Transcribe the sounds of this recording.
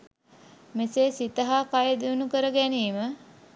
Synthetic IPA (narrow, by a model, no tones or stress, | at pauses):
meseːsit̪əɦaːkajəd̪iunukəɾəɡæniːmə